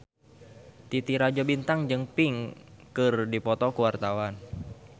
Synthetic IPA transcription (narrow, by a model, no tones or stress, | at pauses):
t̪it̪iɾad͡ʒɔbint̪aŋd͡ʒɨŋpiŋkɨrdipɔt̪ɔkuwart̪awan